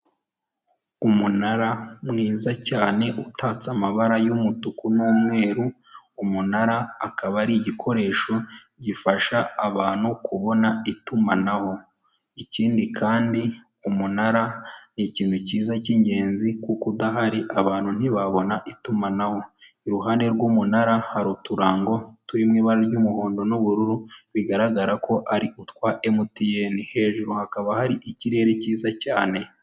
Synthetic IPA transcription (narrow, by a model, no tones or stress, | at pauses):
umunaɾamŋiːzacaːne̞ʔutʰaːt͡samaβaɾajumutukunuːmŋe̞ːɾu | umunaɾaːkaβaɾiɟikʰo̞ɾe̞ːʃo̞ | ɟifaʃaːβaːn̥hukuβo̞naitumanaho̞ | iciːndikʰaːndi | umunaɾaniciːn̤̥huciːzaciɲɟe̞ːnzikukudaɦaɾiʔaβaːn̥un̥iβaβo̞naʔitumanaho̞ | iɾuɦaːne̞ɾɡuːmunaɾahaɾutuɾaːŋɡo̞tuɾimŋiːβaɾaɾɟumuhoːndo̞nuβuɾuɾuβiɡaɾaɡaɾako̞ʔaɾiʔutkwaʔemutijenihe̞ːʒuɾuhakaβahaɾiʔiciɾe̞ːɾeciːzacaːne̞